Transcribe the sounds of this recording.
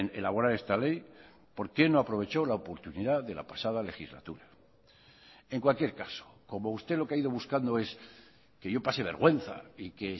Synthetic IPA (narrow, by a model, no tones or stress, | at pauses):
ne̞̰laβ̞o̞ɾaɾe̞st̪ale̞j | po̞ɾke̞no̞apɾo̞β̞e̞t͡ʃo̞laopo̞ɾt̪uniðaðe̞la̰pasað̞ale̞xizla̰t̪uɾa | e̞ŋkwalkje̞ɾkaso̥ko̞moust̪elo̞keaiðo̞βuskand̪oe̞s | keʝo̞pase̞β̞e̞ɾɣwe̞n̟θa̰ike